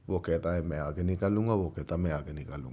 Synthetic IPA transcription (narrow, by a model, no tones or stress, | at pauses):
ʋoket̪aẽmɛ̃aɡənikalːuŋɡaʋoket̪amɛ̃aɡənikalːṵŋɡ